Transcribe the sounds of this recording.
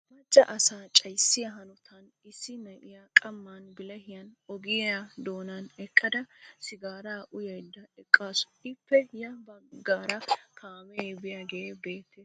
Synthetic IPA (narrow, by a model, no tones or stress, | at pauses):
mɐt͡ʃːɐʔɐsaːt͡ʃʼɐjsːɪjɐɦɐnɔt̪ʰɐn | ɪsːɪnɐʔɪjakʼɐmːanbɪlɐhɪjɐnɔɡɪjad̪o̞ːnɐnɛkʼːɐd̪ɐsɪɡaːɾaːʔʊjɐjd̪ːɐɛkʼːaːsɔ̥ʔɪpːɛjɐbɐɡaːɾɐkʰaːmɛbɪjaːɡebe̞ːt̪ːe